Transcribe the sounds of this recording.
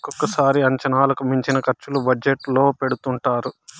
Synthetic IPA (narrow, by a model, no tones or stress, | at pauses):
kɔkːɐsaːɾiɐɲt͡ʃɐnaːlɐkumiɲt͡ʃinɐkɐɾt͡ʃːulubɐd͡ʒeʈlo̞ːpe̞ɽut̪uɳʈaːɾu